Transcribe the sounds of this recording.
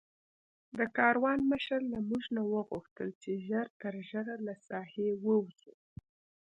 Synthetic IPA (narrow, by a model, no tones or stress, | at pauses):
d̪əkɑɾwɑnməʃəɾlamuʒnawəɣuxt̪əlt͡ʃeʒəɾt̪əɾʒəɾalasɑhewəwzu